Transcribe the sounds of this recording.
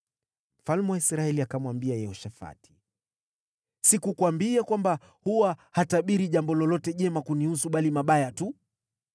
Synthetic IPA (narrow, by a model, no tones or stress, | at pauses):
m̩falmɛwaisɾaɛliakamwambiajɛhɔʃafa̰ti̥ | sikukwambiakwamba | huwahataɓiɾiʄambɔlɔlɔtɛʄɛmakunihusuɓalimaɓajatu